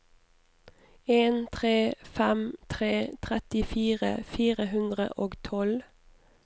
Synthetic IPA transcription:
eːnt̪ʰʁeːfɛmt̪ʰʁeːt̪ʰʁɛt̪ɪfiːʁə̰fiːʁəhʉnd̪ʁə̰ʔoːɡt̪ʰɔl

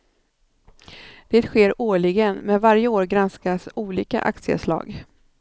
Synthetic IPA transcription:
d̪̥eːt̪ɧeːɾoːɭɪɡənmɛnvaɾjəoːɾɡɾanskasuːliːka̰ʔa̰k̚t̪sɪə̰slɑ̰ːɡ

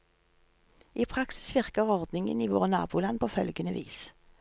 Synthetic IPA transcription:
iːpʰʁɑksɪ̥sʋɪʁkəʁɔʁd̪nɪŋə̰niːʋo̰ːʁnɑ̰ːbuːlɑnpʰoːfœlɡənəʋḭːs

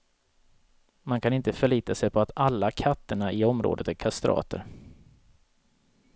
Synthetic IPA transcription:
mankʰanɪnt̪əfœɭiːt̪asɛjpʰɔat̪alːakʰat̪ːəɳaɪɔmɾo̰ːd̪ət̪æɾkʰast̪ɾʔɑ̰ːt̪ə̰ɾ

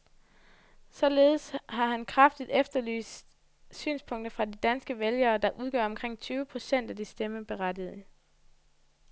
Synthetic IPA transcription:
sɒ̽le̝ːð̩ˠsɦɑ̈ɦænkʰʁɑfd̥id̥efd̥ɐly̰ːsd̥ | sy̰ːnspʰɔ̽ŋ̰d̥ɐfʁɑ̈did̥ænsɡ̥əʋeljɐːd̥ɑ̈ʔuð̞ˠɡ̥ɶ̰ɐ̰ɒmkʰʁeŋ̰t͡sʰyːʊəpʰʁo̝sen̰d̥æd̥isd̥eməb̥e̝ʁadið̞ˠə

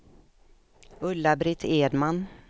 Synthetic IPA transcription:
ɵlːabɾɪt̪ʰeːd̪man

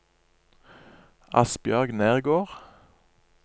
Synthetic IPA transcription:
ɑ̰sbjœʁɡneːʁɡoːʁ

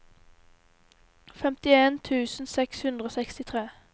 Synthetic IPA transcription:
fɛmt̪ɪeːnt̪ʰʉːsn̩sɛkshʉnd̪ʁoːsɛkst̪ɪt̪ʰʁeː

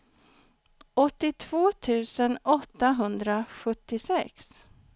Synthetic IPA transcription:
ɔt̪ːɪt̪ʰv̥oːt̪ʰʉ̟ːsənɔt̪ːaɦɵnd̪ɾaɧɵt̪ːɪsɛks

